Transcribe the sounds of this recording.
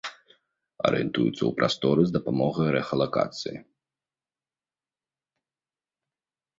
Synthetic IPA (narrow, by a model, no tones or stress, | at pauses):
ɐ̰ɾɨ̰jɛnt̪ujut̪sːə̰wpɾʔast̪ɔɾɨzd̪ɐpamɔɣɐjɾɛxɐlˠaka̰t̪sɨji